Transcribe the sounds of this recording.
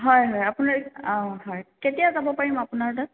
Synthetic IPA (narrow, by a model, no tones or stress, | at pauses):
ɦɔjɦɔjapunaɹɔ̃ɦɔjketijazabɔpaɹimapunaɹda